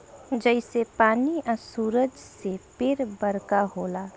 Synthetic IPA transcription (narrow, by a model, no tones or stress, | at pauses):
d͡ʒɛɪsepaːniʔəsuːɾəd͡ʒsepɪɾbəɾkaɦoːlaː